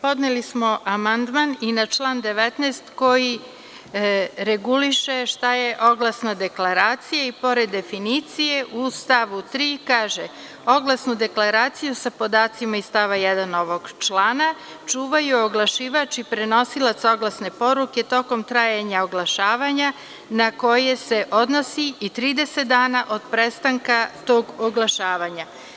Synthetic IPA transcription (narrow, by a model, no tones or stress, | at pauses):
po̞d̪nelismo̞ʔamand̪maninat͡ʃlˠand̪e̞ʋet̪nest̪ko̞ji | ɾeɡuliʃeʃt̪ajeʔo̞ɡlˠasnad̪e̞klaɾaːt̪sijaipo̞ɾed̪ːe̞finit̪sije̞ʔust̪aʋut̪ɾiːkaːʒe | o̞ɡlˠasnud̪e̞klaɾaːt̪sijusapo̞d̪aːt̪simaist̪aʋajɛd̪anoʋo̞ɡt͡ʃlˠaːna | t͡ʃuːʋajuoɡlˠaʃiːʋat͡ʃipɾeno̞silˠat̪so̞ɡlˠasne̞po̞ɾuke̞t̪o̞ko̞mt̪ɾaːjaɲaoɡlˠaʃaːʋaɲa | nako̞je̞se̞ʔo̞d̪no̞siit̪ɾiːd̪e̞set̪̚d̪aːnaʔo̞d̪pɾest̪aŋkat̪o̞ːɡoɡlˠaʃaːʋaɲa